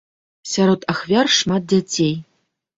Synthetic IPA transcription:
sʲaɾɔt̪axvʲarʂmat̪̚d͡zʲat͡sʲej

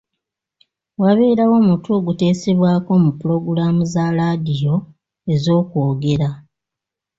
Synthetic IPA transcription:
waβe̞ːɾawo̞ːmutuoɡute̞ːse̞βwaːko̞mupuɾo̞ɡuɾamuzaɾadijo̞ | e̞zo̞ːkoːɡe̞ɾa

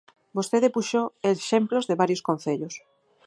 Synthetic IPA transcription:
bosθeðepuʃoeʃemplozðeβaɾjoskõn̟θeʎʊs

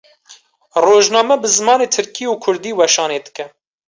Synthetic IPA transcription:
roːʒnɑːmɛbɨzɨmɑːneːt̪ʰɨɾkiːuːkʰʊɾd̪iːwɛʃɑːneːd̪ɨkɛ

